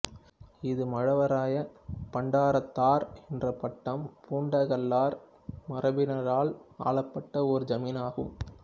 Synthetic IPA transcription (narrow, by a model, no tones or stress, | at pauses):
ɪðɯmɐɻɐʋɐɾaːjɐpɐɳɖaːɾɐt̪ːaːɾɛndrɐpɐʈːɐmpʰuːɳɖɐɣɐlːaːɾ | mɐɾɐbɪnɐɾaːɭa̰ːɭɐpːɐʈːɐɔɾɯd͡ʒɐmiːnaːɣɯ̰m